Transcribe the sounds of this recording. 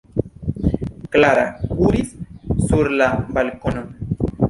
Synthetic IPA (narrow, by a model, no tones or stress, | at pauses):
klaɾauɾissuɾlabalkono